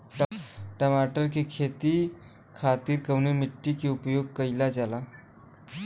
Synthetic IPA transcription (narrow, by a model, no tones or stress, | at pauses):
ʈʈəmaʈəɾkikʰet̪i | kʰat̪iːɾkəwnemiʈːikiupjoɡ̚kəjlad͡zala